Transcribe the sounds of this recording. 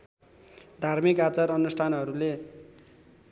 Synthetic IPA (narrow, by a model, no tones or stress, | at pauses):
d̪ʱarmikat͡saɾʌnusʈ̪ʰanɦʌɾule